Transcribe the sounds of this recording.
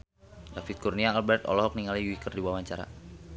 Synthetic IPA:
dafit̪̚kurniaːlbɛrt̪ɔ̰lɔɦɔk̚niŋaliwikərdibuawaɲt͡ʃaɾa̰

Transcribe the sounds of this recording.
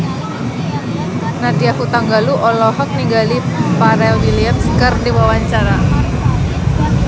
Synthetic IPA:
nadiahut̪aŋɡaluʔɔlɔɦɔk̚niɡalipaɾɛlwiliət̪skərdiwawaɲt͡ʃaɾa

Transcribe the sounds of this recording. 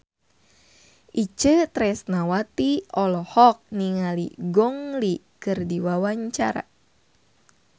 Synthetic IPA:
ʔit͡ʃət̪ɾɛsnawat̪iɔlɔhɔk̚niŋalḭɡɔŋli | kɨrdiwawaɲt͡ʃa̰ɾa̰

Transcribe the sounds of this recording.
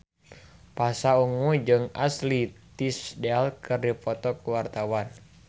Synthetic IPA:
pasauŋud͡ʒɨŋaslit̪isdɛalkɨrdipɔt̪ɔkuwart̪awan

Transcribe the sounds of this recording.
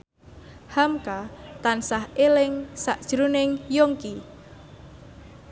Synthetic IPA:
hamkat̪ansahelɪŋsaʔd̥ʒ̥ɾunɪŋjoŋki

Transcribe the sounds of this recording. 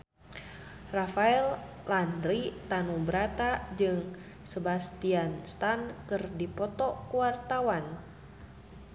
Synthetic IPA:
rafaɛl | landɾit̪anubəɾat̪ad͡ʒɨŋ | səbast̪ianst̪ankɨrdipɔt̪ɔkuwart̪awan

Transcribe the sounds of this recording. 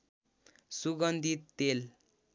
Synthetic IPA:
suɡʌnd̪ʱit̪ːel

